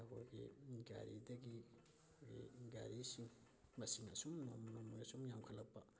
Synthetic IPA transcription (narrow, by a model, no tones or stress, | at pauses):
ɦojɡḭɡa̰ɾidɐɡi | ojɡḭɡa̰ɾisiŋ | mɐsiŋɐ̰sumnomnomujɐsumjamkʰɐlɐpːɐ